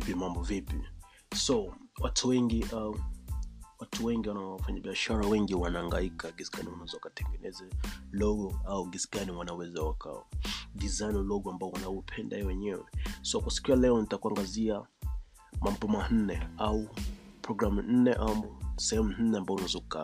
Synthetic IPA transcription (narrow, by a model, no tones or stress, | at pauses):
pimambɔvipi | sɔwatʰuwɛŋɡiʔau | watʰuwɛŋɡiwanawafaɲaɓiaʃaɾawɛŋɡiwanaːŋɡaikaɡisɡa̰niwanaɛzɔwakatɛŋɡɛnɛzalɔɡɔauɡisɡaniwanawɛzawakʰa̰ɔ̰dizajnlɔɡɔambaɔwanaupʰɛnda̰ɛwɛɲɛwɛ̰sɔkwasi̥kialɛɔnitakuaŋɡazia | mam̩bɔman̩nɛaupɾɔɡɾamun̩nɛʔamsɛhɛmunn̩nɛambaɔunaɛzɔuka̰